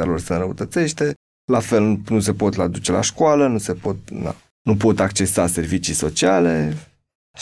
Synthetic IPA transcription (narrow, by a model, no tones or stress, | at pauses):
alorsəɨnɾəut̪ət̪se̞ʃt̪e̞ | lafe̞lnunuse̞po̞t̪lad̪ut͡ʃe̞la̰ʃkoalənuse̞po̞t̪̚na̰ | nupo̞t̪akt͡ʃe̞sase̞rvit͡ʃiso̞t͡ʃiale̞